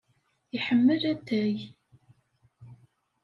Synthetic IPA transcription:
iħəmːəlæt̪ːæj

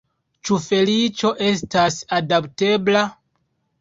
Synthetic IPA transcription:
t͡ʃufe̞lit͡ʃo̞ʔe̞s̬tasadapte̞bla

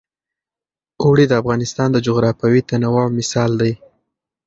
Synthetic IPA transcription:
owɽid̪əafɣɑnɪst̪ɑnd̪əd͡ʒʊɣɾɑfawit̪anawɑwmɪsɑld̪aj

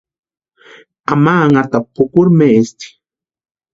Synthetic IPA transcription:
amaːŋat̪apʊkʊɾmest̪i̥

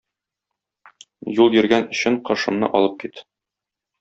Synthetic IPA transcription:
julˠjɵ̆ɾɡænɵ̆ɕɘɴqɒ̆ʃɤ̆mnɤ̰ʔɒ̰lˠɤp̚kit̪

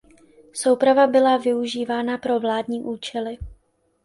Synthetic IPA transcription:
so̞wpɾavabɪlavɪuʒiːvaːnapɾo̞vlaːdɲiːʔuːt͡ʃɛlɪ

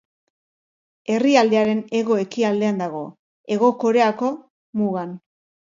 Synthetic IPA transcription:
e̞riald̪e̞aɾe̞ne̞ɣo̞e̞kiald̪e̞and̪aɣ̞o̞̰ | e̞ɣo̞ko̞ɾe̞ako̞ | muɣan

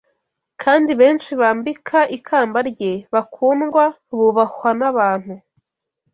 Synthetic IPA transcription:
kʰaːndiβe̞ːnʃiβaːmbikʰaʔikʰaːmbaɾɟeβakʰuːnɡwa | βuβakwanaβaːn̥hu

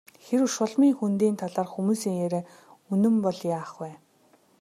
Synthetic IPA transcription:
xeɾɵʃʊɮmiːŋxunt̪iːnt̪ʰaɮaːrxumuːsiːŋjeɾeː | unɵ̆mpɔɮjaːχwæː

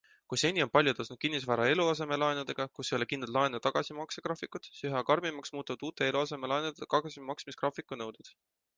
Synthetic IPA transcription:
kujse̞nʲːio̞npɑlʲjut̪osnud̪̥̚kinːis̬væːɾɑe̞luɑse̞me̞lɑenud̪e̞ɡ̥ɑkusːejo̞le̞kind̪lɑt̪lɑenut̪ɑɡ̥ɑsimɑkseɡ̥rɑːfikːˑut̪syɦɑkɑrmimɑksmuːt̪ːuvɑd̪̥uːt̪ːˑe̞e̞luɑse̞melɑenud̪kɑɡ̥ɑsimɑksmiskrɑːfikːˑunɤwd̪̥ud̪̥

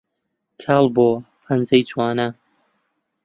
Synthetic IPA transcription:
kʰaːlˠboː | pʰɐnd͡zɐjt͡sʰwaːnɐ

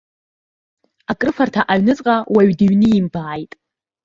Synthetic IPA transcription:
akʼrɨfartʰaʔaɥnɨt͡sʼqʼawaɥdiɥnɨimbaːjtʼ

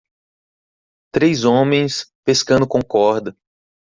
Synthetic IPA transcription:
t̪ɾejzõmẽj̃speskɐ̃nd̪ʊkõkɔɾd̪ɐ

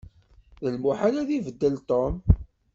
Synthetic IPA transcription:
ðəlmuħalaðivəd̪ːəlt̪om

